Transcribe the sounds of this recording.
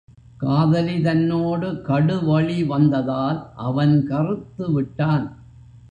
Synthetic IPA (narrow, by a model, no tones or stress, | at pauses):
kaːðɐlit̪ɐnːoːɽɯkɐɽɯʋɐɭiʋɐnd̪ɐðaːlʔɐʋɐnkɐrɯt̪ːɯʋɪʈːaːn